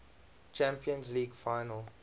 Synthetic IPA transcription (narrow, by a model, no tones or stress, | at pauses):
t͡ʃæ̃mpiə̃nzliːɡfaɪnəl